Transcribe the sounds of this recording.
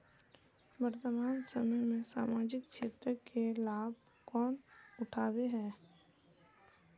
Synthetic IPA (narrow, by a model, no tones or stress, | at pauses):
bəɾt̪əmaːnsəməjmẽsa̰ːmaːd͡ʒɪkʃeːt̪ɾəkelaːb̚ | kɔːnʊʈʰaːweɦɛː